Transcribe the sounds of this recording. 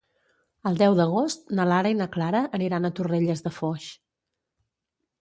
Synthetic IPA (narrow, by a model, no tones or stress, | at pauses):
əlˠd̪ɛwd̪əɣ̞ost̪nəlaɾəinəklaɾəʔəniɾanət̪ureʎəzðəfɔʃ